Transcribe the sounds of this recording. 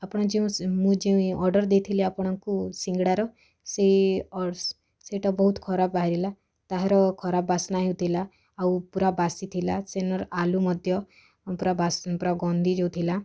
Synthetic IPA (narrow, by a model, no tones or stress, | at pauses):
apɔɽ̃ɔd͡ʒeũmũd͡ʒeũɔɾɖɔɾd̪et̪ʰiliapɔɽ̃aŋkusiŋɡɽaɾɔ | seɔɖs | seʈabɔɦut̪kʰɔɾapbaɦiɾila | t̪aɦeɾɔkʰɔɾabbasnaɦit̪ʰilaː | wpuɾabasit̪ʰilasenɔɾalumɔd̪ʱjɔ | puɾabaspuɾaɡɔnd̪ʱid͡ʒeũt̪ʰila